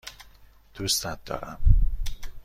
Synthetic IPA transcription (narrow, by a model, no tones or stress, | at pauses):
d̪̥ust̪æt̪̚d̪ɒ̰ːɾæ̰m